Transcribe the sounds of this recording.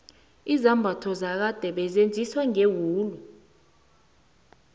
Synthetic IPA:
izambʱatʰɔzak̬ad̥ʱɛɓɛzend͡zʱiswaŋewuːlu

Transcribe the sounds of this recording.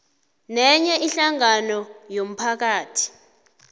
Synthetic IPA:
nɛɲɛʔiɬaŋanɔjom̩pʰak̬aːtʰi̥

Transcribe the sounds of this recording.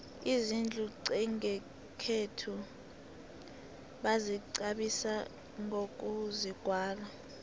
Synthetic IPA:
izind͡ɮʱuǀɛŋɛ | kʰetʰu | ɓaziǀaɓisa | ŋok̬ʼuziɡ̥ʱwaːla

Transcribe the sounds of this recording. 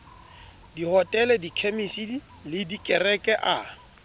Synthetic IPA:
dihɔtʼɛlɛdikʰemisidi | lɪdikʼɛrɛkʼɛʔa

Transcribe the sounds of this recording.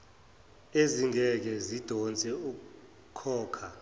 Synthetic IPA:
eziŋɛk̬ɛzid̥ʱɔnt͡sʼɛuk̬u | kʰɔːkʰa

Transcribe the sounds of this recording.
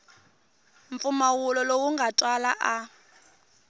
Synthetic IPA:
ɱp̪fumawulɔlowuŋɡatʼwala̰ʔa

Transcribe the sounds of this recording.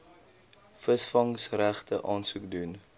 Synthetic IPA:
fəsfɐŋsræχtəʔɑːnsukdun

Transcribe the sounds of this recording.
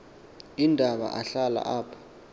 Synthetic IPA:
indʱaɓa̰ʔaɬala̰ʔaːpʰḁ

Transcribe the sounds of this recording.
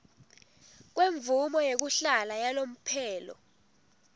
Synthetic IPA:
k̬weɱvumɔjek̬uɬalajalom̩pʰɛːlɔ̰

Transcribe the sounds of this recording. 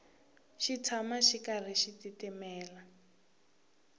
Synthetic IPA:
ʃit͡sʰamaʃikar̤iʃititɛmɛːla

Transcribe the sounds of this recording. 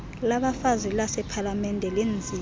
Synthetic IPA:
laɓafazilasɛpʰalamɛndʱɛlend͡zʱi

